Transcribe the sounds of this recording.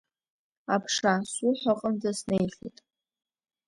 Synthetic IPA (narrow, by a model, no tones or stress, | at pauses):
apʰʂasʊħʷaqʼəmd͡zasnejɬḭtʼ